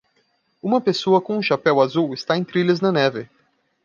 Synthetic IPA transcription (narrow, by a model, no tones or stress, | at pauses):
ũmɐpesoɐkõũʃapɛwazuwɪst̪aẽj̃t̪ɾiʎɐznɐnɛvɪ